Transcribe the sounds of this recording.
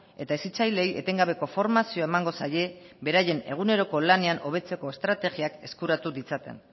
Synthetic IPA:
e̞t̪aesit͡sajle̞je̞̰t̪e̞ŋɡaβ̞e̞ko̞fo̞ɾmasio̞ae̞maŋɡo̞saje̞βe̞ɾaje̞ne̞ɣ̞une̞ɾo̞ko̞lane̞ano̞βe̞t͡se̞ko̞e̞st̪ɾat̪e̞ɣiake̞skuɾat̪uðit͡sat̪e̞̰n

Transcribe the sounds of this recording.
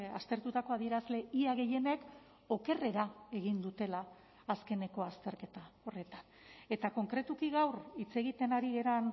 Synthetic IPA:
ast̪e̞ɾt̪ut̪ako̞aðie̞ɾazle̞iaɣe̞je̞ne̞k | o̞ke̞re̞ɾae̞ɣ̞ind̪ut̪e̞laː | ske̞ne̞ko̞ast̪e̞ɾke̞t̪ao̞re̞t̪an | e̞t̪ako̞ŋkɾe̞t̪ukiɣawrit͡se̞ɣit̪e̞naɾiɣe̞ɾan

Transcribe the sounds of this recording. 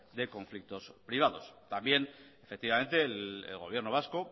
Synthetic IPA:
d̪e̞ko̞ɱflik̚t̪o̞spɾiβ̞að̞o̞st̪ambje̞nefekt̪iβame̞nt̪elḛlɣ̞o̞β̞je̞ɾnoβ̞asko̞

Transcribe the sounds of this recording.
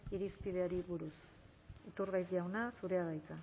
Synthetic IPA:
iɾispið̞e̞aɾiβuɾus | it̪uɾɣajzd̪iawnasuɾe̞aðajka

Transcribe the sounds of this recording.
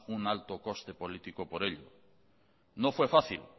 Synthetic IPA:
unalt̪oko̞st̪e̞po̞lit̪ikopoɾeʎo̰ | nofwe̞faθil

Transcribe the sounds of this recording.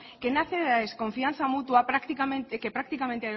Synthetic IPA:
kenaθeðaðeskõ̞ɱfian̟θamut̪wapɾakt̪ikamẽnt̪kepɾak̚t̪ikamẽnt̪ea

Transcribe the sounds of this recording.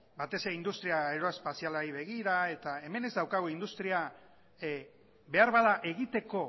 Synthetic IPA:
bat̪e̞se̞ɾeind̪ust̪ɾiaeɾoespasialaiβe̞ɣiɾae̞t̪ae̞me̞ne̞zd̪awkaɣoind̪ust̪ɾia | be̞aɾβaðaʔe̞ɣit̪e̞ko̞

